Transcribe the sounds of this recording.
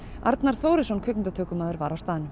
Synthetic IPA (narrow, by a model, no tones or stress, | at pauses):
ʔa̰ɾt̪naɾ̥θoːwɾɪsɔnkʰʏknɪnt̪at̪ʰœːkʏmaːðʏɾvaɾawst̪aːðɪnʏm